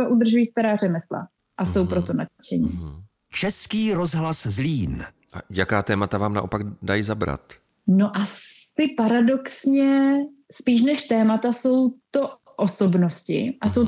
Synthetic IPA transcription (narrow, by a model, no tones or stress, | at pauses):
oʔud̪r̩ʒujiːst̪aɾaːrɛmɛsla̰ | ʔaso̞wpɾot̪o̞nat͡ʃɛɲḭː | t͡ʃɛskiːɾozɦlaszliːn | ʔajakaːt̪ɛːmat̪avaːmna̰ʔo̞paɡdajzabɾa̰t̪ | no̞ʔasɪpaɾado̞ksɲɛspiːʃ̬nɛʃt̪ɛːmat̪aso̞wt̪o̞ | ʔosobno̞scɪ̰ʔaso̞w